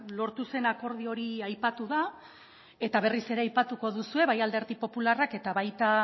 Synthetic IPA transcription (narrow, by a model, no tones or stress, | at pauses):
lo̞ɾt̪use̞nako̞ɾð̞io̞ɾiajpat̪uða | e̞t̪aβe̞rise̞ɾe̞ajpat̪uko̞ðusue̞βajald̪e̞ɾtipo̞pularake̞t̪aβajt̪a